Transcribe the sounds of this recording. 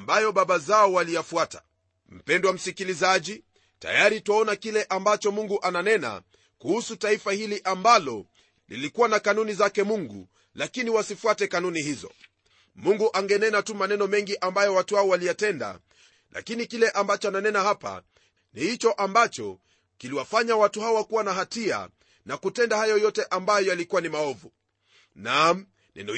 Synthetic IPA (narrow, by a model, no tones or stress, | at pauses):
ambajɔɓaɓazaɔwalijafuatḁ | m̩pɛndwam̩sikilizaʄi | ta̰jaɾitaɔnakilɛʔambat͡ʃɔmuŋɡuʔananɛna̰ | kuhusutaifahiliʔambalɔ | lḭlikuwanakanunizakɛmuŋɡṵ | lakiniwasifuatɛkanunihizɔ̰ | muŋɡuʔaŋɡɛnɛnatumanɛnɔmɛŋɡiʔambajɔwatuhaɔwalijatɛnda̰ | lʔa̰kinikilɛʔambat͡ʃɔananɛnahapa̰ | nihit͡ʃɔʔambat͡ʃɔ | kiliwafaɲawatuhaɔwakuwanaɦatia̰ | nakutɛndahajɔjɔtɛʔambajɔjalikuwanimaɔvu | nam | nʔɛ̰nɔ